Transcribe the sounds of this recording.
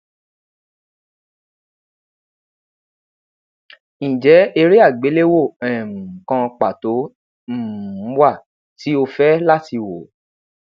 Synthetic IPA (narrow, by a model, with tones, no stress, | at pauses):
ĩ˨d͡ʒɛ˨˦e˧ɾi˦a˦˨ɡ͡be˨˦le˦wo˦˨ɛ̃˨mũ˨kã˧k͡pa˨to˨˦ | m̩˦˨˦wa˦˨ | ti˨˦o˧fɛ˦la˦ti˧wo˨